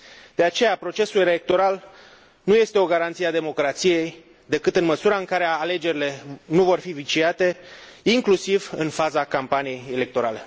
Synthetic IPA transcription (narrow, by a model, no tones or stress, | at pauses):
d̪̥e̞at͡ʃe̞japɾo̞t͡ʃe̞sulelek̚t̪o̞ɾal | nuje̞st̪e̞o̞ɡaɾant̪siad̪e̞mo̞kɾat̪sije̞j | d̪e̞kɨt̪ɨnməsuɾaɨŋkaɾe̞ale̞d͡ʒe̞ɾile̞nuvo̞rfivit͡ʃiat̪e̞iŋklusivɨnfazakampanije̞jele̞k̚t̪o̞ɾale̞